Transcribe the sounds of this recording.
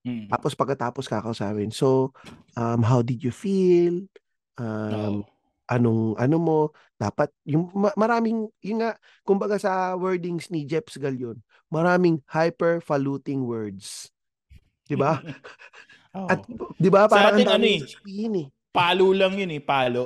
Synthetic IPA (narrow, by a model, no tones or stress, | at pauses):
t̪a̰ːpospɐɡ̚kːɐt̪aːposkakɐʔusa̰ːpɪnso̞ʔɐmɦawd̪ɪd̪jʊfil | ʔɐm | ʔɐnoŋʔɐ̰nomo̞ | d̪̥a̰ːpɐt̪̚jʊŋmɐmɐɾaːmɪŋjʊnŋaʔ | kʊmbɐɡasɐwɛɹd̪ɪŋsnid͡ʒɛpsɡɐljon | mɐɾaːmɪŋhajpɛɹfɐluːt̪ɪŋwɛɹd̪s | d̪ɪba | ʔɐt̪d̪ɪbapaːɾɾɐŋʔɐnd̪amsbihɪnɛ | paːlolɐŋjʊnɛpaːlo